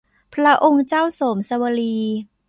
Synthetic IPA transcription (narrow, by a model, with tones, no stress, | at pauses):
pʰɾa˦˥ʔo˧ŋt͡ɕaː˥˩wsoː˩˦msa˧wa˧liː˧